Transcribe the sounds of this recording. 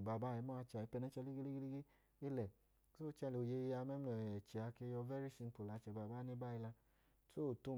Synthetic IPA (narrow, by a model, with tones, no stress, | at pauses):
ba˨ba˦˨i˨˧˦mɔ˦a˧t͡ʃa˨i˨˦pɛ˧nɛ˧˦t͡ʃɛ˧li˦ɡe˦li˦ɡe˦li˦ɡe˦ | e˦lɛ˨˦ | so˦t͡ʃɛ˧lo˨je˧ja˧mɛ˦m˦ɔ˨ɛ˨t͡ʃi˨a˨˧ke˧˦jɔ˧vɛ˦ɾi˦si˧n˦po˨la˨˧˦t͡ʃɛ˨ba˨ba˦ni˦ba˦i˧la˧ | so˦˨to˦